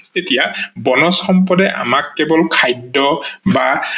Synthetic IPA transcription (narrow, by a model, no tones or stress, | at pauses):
etijabɔnɔsxɔmpɔdɛʔa̰makːɛbɔlkʰajdːɔba